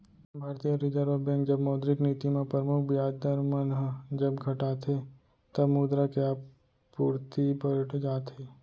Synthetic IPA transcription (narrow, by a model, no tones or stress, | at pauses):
bʱaːɾt̪ijəɾɪd͡ʒəɾʋəbɛ̃ːkd͡ʒɐbmɐːd̪ɾɪkniːt̪imẽpɾəmʊkʰbɪjaːd͡ʒd̪əɾmənɦəd͡ʒɐbɡʱɐʈaːt̪ʰe | t̪ɐbmuːd̪ɾakeaːp | puːɾt̪ibəɾʈʰd͡ʒaːt̪ʰeː